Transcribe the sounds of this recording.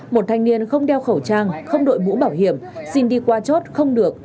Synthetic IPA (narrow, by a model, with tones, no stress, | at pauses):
mo˨˩t̚t̪ʰa˧jŋ̟ni˧ənxə˧wŋ͡mɗɛ˧wxə˧˩wt͡ɕaː˧ŋxə˧wŋ͡mɗo̰˧˨jmṵ˧˥ɓaː˧˩whi˧˩əmsi˧nɗi˧kwaː˧t͡ɕo˦˥t̚xə˧wŋ͡mɗɨ˨˩ək̚